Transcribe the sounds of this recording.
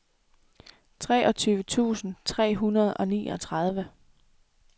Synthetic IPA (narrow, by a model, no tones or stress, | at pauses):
t͡sʰʁɛ̰ːʔɒ̽t͡sʰyːʊʋət͡sʰṵːsn̩t͡sʰʁɛ̰ːɦunɐð̞̩ˠɒ̽nḭːʔɒ̽t͡sʰʁað̞ˠʋə